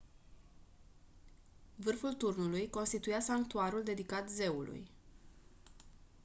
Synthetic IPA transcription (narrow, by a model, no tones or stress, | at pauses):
vɨrfult̪urnulujko̞nst̪it̪ujasaŋk̚t̪uaɾuld̪e̞d̪ikat̪ze̞ulṵj